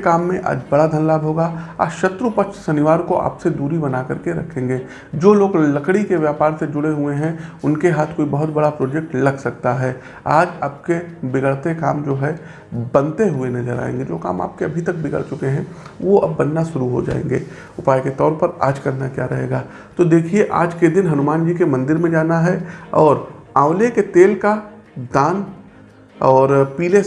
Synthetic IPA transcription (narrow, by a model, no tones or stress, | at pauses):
kaːmːẽʔa̰ːd͡ʒbɐɽad̪ʱɐnlaːbɦoːɡaa̰ːʃɐt̪ɾupəkʃsɐnɪʋaːɾkoʔa̰ːpsed̪uːɾibɐnakɐɾkeɾɐ̰kʰẽːŋɡeː | d͡ʒoːloːɡlɐkɽikeʋjaːpaːɾsed͡ʒʊɽeɦʊeɦɛ̃ʊnkeɦaːt̪ʰkoːibɐɦʊt̪bɐɽapɾoːd͡ʒɛk̚ʈlɐɡsɐkt̪aɦɛː | a̰ːd͡ʒaːpkebɪɡəɭt̪eka̰ːmd͡ʒoːɦɛ | bɐ̃nt̪eɦʊenɐzəɾa̰ːḛ̃ːŋɡed͡ʒo̰ːka̰ːma̰ːp̚keɐbʱit̪ɐk̚bɪɡə̰ɭt͡ʃʊkeɦɛ̃ʋoɐ̰bːɐnːaʃʊɾuɦo̰d͡ʒa̰ːḛ̃ːŋ̆ɡḛː | ʊpaːjket̪ɔːɾpɐɾa̰ːd͡ʒkɐɾnakjaɾɐɦḛːɡaː | t̪od̪eːkʰieʔa̰ːd͡ʒked̪ɪnɦɐnʊmaːnd͡ʒiːkemɐ̃nd̪ɪɾmẽd͡ʒaːnaɦɛɔːɾãːʊleket̪eːlka | d̪aːn | ɔːɾpiːle